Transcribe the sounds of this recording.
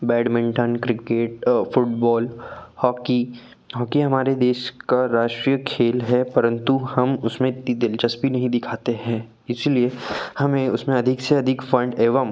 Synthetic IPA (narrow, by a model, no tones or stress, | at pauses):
bɛːɖmɪ̃ɳʈənkɾɪkeːʈfʊʈ̚bɔːlhɔːki | ɦɔːkiɦɐmaːɾed̪eːʃkaɾaːʃʈɾijəkʰeːlɦɛpɐɾə̃nt̪uhɐmʊsmẽt̪id̪ɪlt͡ʃəsbʱinɐɦĩd̪ɪkʰaːt̪eɦɛ̃ː | ɪsiliehɐmẽʊsmẽɐd̪ʱɪkseɐd̪ʱɪkfɐ̃ɳɖeːʋəm